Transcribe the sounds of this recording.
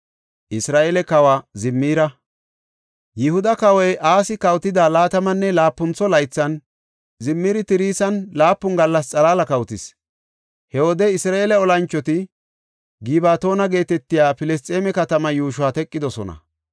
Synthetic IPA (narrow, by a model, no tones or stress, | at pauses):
ʔɪsɾaːʔelɛkɐwaːzɪmːiːɾɐ | jɪhʊd̪ɐkɐwɔjʔaːsɪkɐwt̪ɪd̪aːlaːt̪ɐmɐnːɛlaːpːʊnt͡sɔlɐjt͡sːɐn | zɪmːiːɾɪt̪ɪɾiːsɐnlaːpːʊŋɡɐlːɐst͡sʼɐlaːlɐkɐwt̪ɪs | hɛwɔd̪ɛɪsɾaːʔelɛɔlɐnt͡ʃːɔt̪ɪ | ɡibaːt̪o̞ːnɐɡe̞ːt̪ɛt̪ːɪjaːfɪlɛs̬t̪ʼeːmɛkɐt̪ɐmɐjuːʃ̬ʊaːt̪ɛkʼːɪd̪ɔsɔ̰nɐ̰